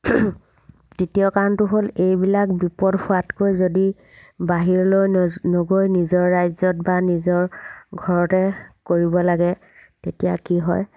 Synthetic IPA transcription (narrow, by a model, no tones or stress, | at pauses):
titijɔkaɹntʊɦolejbilak̚bipɔdpʰʊatkojzodi | baɦiɹlojnoɡojnizɔɹːajzɔtbanizɔɹɡʱɔɹɔtɛkoɹibɔlaɡɛ | tetija̰kiɦɔ̰j